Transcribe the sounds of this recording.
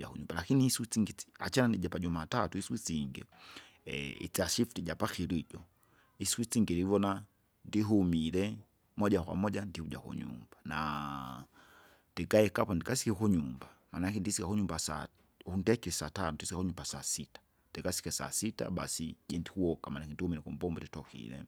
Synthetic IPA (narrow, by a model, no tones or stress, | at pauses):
ja̰kuɲumbalakiniːswit͡siŋɡiia̰t͡ʃanandiʄapad͡ʒumatatuiswit͡siŋɡɛ̰ | ḭt͡siaʃiftid͡ʒapaxiɾid͡ʒɔ | isikwit͡siŋɡɛɾivɔna | ndiɦumilɛ | mɔʄakwa̰mɔʄandihuɟa̰kṵɲṵmb̥ana | nd̥ɛkaɛkapandikasi̥kikuɲumbamanakɛndisikakuɲumbasa̰ | undɛkisatanɔndisikakuɲumbasasitḁ | ndikasi̥kɛsa̰sita̰ɓa̰sid͡ʒɛndikuɔkamanakɛndihumiɾɛkumbɔmbɔditɔkḭɾɛ̰